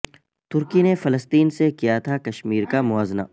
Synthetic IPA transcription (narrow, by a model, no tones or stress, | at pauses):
t̪ʊɾkinefɐləst̪iːnsekijat̪ʰakɐʃmiːɾkamʊaːzna̰ː